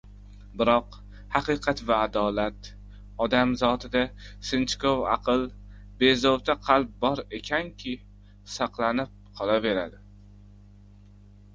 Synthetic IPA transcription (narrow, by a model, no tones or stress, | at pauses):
bɪɾɒq | hɑqɨqʰɑt̪vaːd̪ɒlat̪ | ɒd̪amzɒt̪ʰɪd̪asɪnt͡ʃkovɑ̰qʰɨlˠ | be̞zowt̪ʰaqʰɑlˠp̚bɒɾe̞kʲʰankʲʰɪ | sɑqlˠanɪp̚qʰɒlˠave̞ɾad̪ɪ